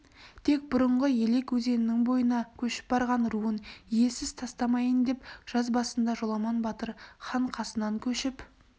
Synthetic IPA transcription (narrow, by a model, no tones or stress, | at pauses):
t̪ʰe̞k̚bʊɾəɴʁəje̞le̞kwɵze̞nɪnɪŋbo̞jənɑkʲʰɵʃɪ̥p̚bɑɾʁɑnruənije̞sɪzt̪ʰɑst̪ɑmɑjənd̪e̞pʒ̥ɑzbɑsənd̪ɑʒo̞lˠɑmɑnbɑt̪əɾχɑɴqʰɑsənɑŋkʲʰɵʃɪp